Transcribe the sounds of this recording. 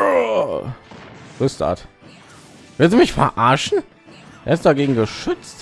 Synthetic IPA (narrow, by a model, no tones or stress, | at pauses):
ʁʊsta̰t | v̥ɪlstumɪçfɛ̰ɐʔaɐʃn̩ | ʔeːɐɪstd̥aɡeːɡŋ̩ɡəʃʏt͡st